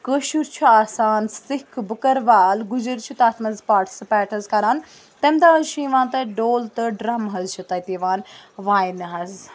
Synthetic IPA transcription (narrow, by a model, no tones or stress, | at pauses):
kəʃuɾt͡ʃʰuaːsaːnsɪkʰbəkɐɾʋaːlɡud͡ʒəɾt͡ʃʰut̪aːt̪ʰmɐzpaːʈsɨpɛːʈʰɐzkɐɾaːn | t̪emd̪aːɦɐzʃʰĩĩʋãːnt̪ɐɖoːlt̪ɐɖɾɐmɦɐzt͡ʃʰut̪ɐit̪iːʋaːnʋaːinɦɐz